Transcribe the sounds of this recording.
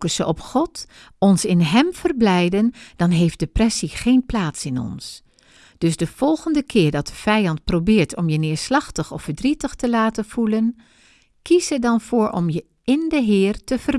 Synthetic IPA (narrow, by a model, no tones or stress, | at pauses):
kəsəʔɔpχɔt | ɔnsɪnɦɛmv̥ərblɛjdənd̥ɑnɦejfdəprɛsiχejnplaːtsɪnɔ̰ns | d̥ɵsdəv̥ɔlˠχəndəkʰɪːɹdɑt̚əv̥ɛjɑntprowbɪːɹtʰɔmjənɪːɹslɑχtəχɔfəɹdritəχtəlaːtənv̥ulən | kisədɑnvʊːɹʔɔ̰mjə | ɪndəɦɪːrtəv̥ər